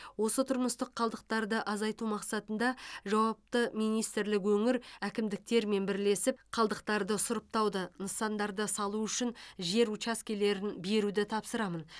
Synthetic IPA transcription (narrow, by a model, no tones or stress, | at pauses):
wo̞sət̪ʰʊɾməst̪əqʰːɑlˠd̪əq̚t̪ɑɾd̪əʔɑzɑjt̪umɑqsɑt̪ənd̪ɑʒɑwɑp̚t̪əmijnijst̪ɪɾlɪk̬wɵŋɪɾækʲɪmd̪ɪk̚t̪e̞ɾme̞nbɪɾle̞sɪp̚qʰɑlˠd̪əq̚t̪ɑɾd̪əsʊɾəp̚t̪ɑwd̪ənəsɑnd̪ɑɾd̪əsɑlˠuʏʃɪnʒe̞ɾut͡ʃɑskʲele̞ɾɪnbe̞ɾud̪ɪt̪ʰɑpsəɾɑmən